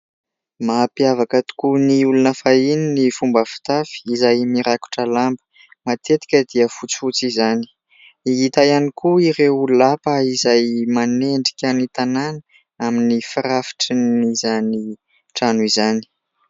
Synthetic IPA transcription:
maːpiavakət̪u̥kuniulunəfaininifumbafi̥t̪afi̥izajmiɾaku̥ʈ͡ʂəlambə̥ | mat̪et̪i̥kʲəd̪iəfut͡si̥fut͡sizani̥ | iit̪ajanikuiɾewululapəizajmaneɳɖ͡ʐi̥kʲənit̪ananə | aminifiɾafi̥ʈ͡ʂinizani | ʈ͡ʂanuizani̥

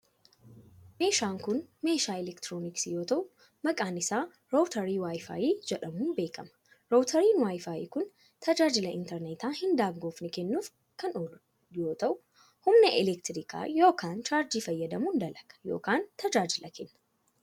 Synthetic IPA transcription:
me̞ːʃaːŋkʊnme̞ːʃaːɪlɛkt̪ɾoːnɪksjo̞ːt̪ɐʔʊ | mɐkʼaːnɪsaː | ɾoːwt̪ɐɾiːwaːjfa̰ːjiːd͡ʒɛᶑɐmuːnbe̞ːkɐmɐ̥ | ɾoːwt̪ʰɐɾiːnwaːjfaːjḭːkʊn | t̪ʰɐd͡ʒaːd͡ʒɪlɐɪnt̪ɛɾnet̪aːhɪnd̪aːɡɡo̞ːfnɪkɛnːuːf | kɐnɔ | joːt̪ɐʔʊ | hʊmnɛʔɪlɛkt̪ɾiːkʰa̰ːjo̞ːkaːnt͡ʃaːɾd͡ʒiːfɐjːɐd̪ɐmuːnd̪ɐlɐkʼɐ̥jo̞̰ːkaːnt̪ɐd͡ʒaːd͡ʒɪlɐkɛnːɐ̥

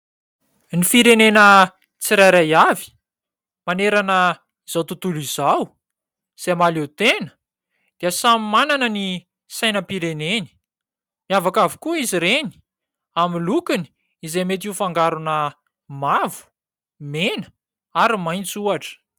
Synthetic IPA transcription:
nifiɾenenə | t͡siɾajɾajavi̥ | maneɾanə | z̥awt̪ut̪ulizaw | z̥emalut̪enə̥ | d̪̥iəsamimananəni | sajnəpiɾeneni̥ | miavakavikuiziɾeni̥ | amilukini̥ | izejmet̪̬iufaŋɡaɾunə | mavu̥ | menə̥ | aɾimajnt͡suaʈ͡ʂə̥

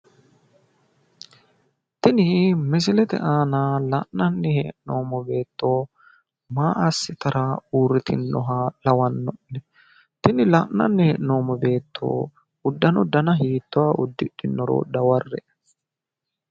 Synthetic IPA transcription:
t̪ɪnɪmɪs̬ɪlɛt̪ɛ̰ʔaːnalɐʔnɐnːɪheʔnoːmɔbe̞ːt̪ːoː | maːʔɐsːɪt̪ɐɾauːrɪt̪ʰɪnːɔɦalɐwɐnːɔnːɛ | t̪ɪnɪlɐʔnɐ̰nːɪhɛʔno̞ːmːɔbe̞ːt̪ːo̰ː | ʊd̪ːɐnɔd̪ɐnɐɦiːt̪ːʊaːʔʊd̪ːɪᶑ̪ɪnːɔɾo̰ːd̪ɐwɐrːɛ

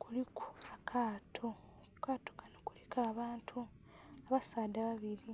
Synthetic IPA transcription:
kulikʰu̥akʰaːtʰo | ukaːto̥kanokulikʰaːβaːntʰu | aβasaːdaβaβiɾi

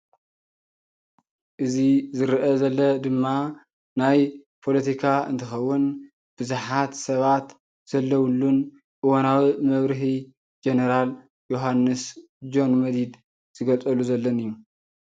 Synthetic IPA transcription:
ʔɨzizɨɾʔɐzɐlːɐd̪ɨmːa | najpʰo̞lɐt̪ʰikʰaɨ̰nt̪ʰɨxɐwːʊn | b̥ɨzuħat̪sɐβat̪ | z̥ɐlːɐwlːun | ʔɨwonawimɐβɾɨɦi | d͡ʒenɐɾal | jo̞ɦanːɨs | d͡ʒo̞nmɐd̪id̪ | z̥ɨɡɐt͡sʼɐluzɐlːɐnɨjːu

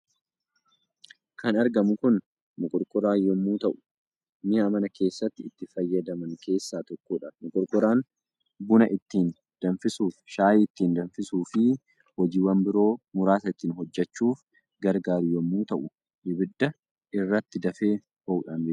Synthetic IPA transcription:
kʰɐnɐɾɡɐmʊkʊn | mʊkʼɔɾkʼɔɾaːjɔmːuːt̪ɐʔʊ̥ | mɪjamɐnɐkʰe̞ːsːɐt̪ːɪːt̪ːɪfɐjːɐd̪ɐmɐŋkʰe̞ːsːaːt̪ɔkːoːᶑɐmʊkʼɔɾkʼɔɾaːn | bʊnɐʔɪt̪ːiːn | d̪̥ɐnfɪsuːfʃaːjɪt̪ːiːnd̪ɐnfɪsuːfɪ | hɔd͡ʒiːwɐmbɪɾo̞ːmʊɾaːsɐɪt̪ːiːnɦɔd͡ʒːɛt͡ʃːuːf | ɡɐɾɡaːɾɪjɔmːuːt̪ɐʔʊ | ʔɪbɪd̪ːɐ | ɪrːɐt̪ːɪd̪ɐfeː | hɔʔʊᶑanbeː

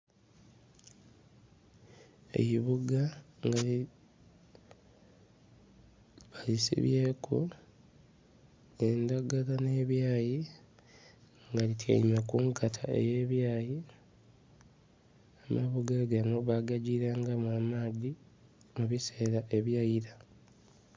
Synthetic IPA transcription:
e̞̰jiβuɡaŋɡai | βalisḭβje̞ːkṵ | endaɡalane̞ːβjaːji | ŋɡalitʰja̰imakuŋkatʰa̰e̞̰jeːβjaːji | amaβuɡaɡano̞βaɡaɟiːɾaːŋɡamamadi | muβise̞ːɾaʔe̞βjajiɾa

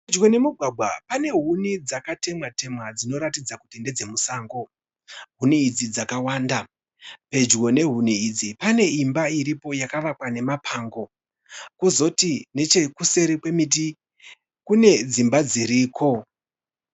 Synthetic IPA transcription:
ped͡ʒɣo̞ne̞muɡʱwaɡʱwapane̞ɦunid͡zakate̞mwate̞mwad͡zino̞ɾatid͡zakutinde̞d͡ze̞musaːŋɡo̞ | ɦuniːd͡zid͡zakawaːnda | pe̞d͡ʒɣo̞ne̞ɦuniid͡zipane̞imbaiɾipo̞jakaʋakwane̞mapʰaːŋɡo̞ | kuzo̞tine̞t͡ʃe̞kuse̞ɾikwe̞mit̬i | kune̞d͡zimbad͡ziɾiːkʰo̞

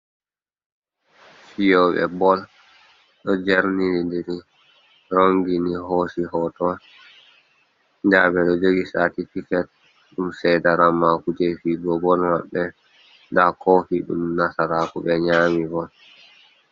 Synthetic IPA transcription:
fijɔɓɛ̰bɔl | ɗɔd͡ʒɛɾninidiɾi | ɾoŋɡinihosihɔtɔ | nd͡ʒabɛɗɔd͡ʒoɡisatifikɛt̚ | ɗumsɛjdaɾamakud͡ʒɛfiɡɔbɔlmaɓːɛ | ndakʰɔfiɗṵmnasaɾakuɓɛɲaːmibɔl

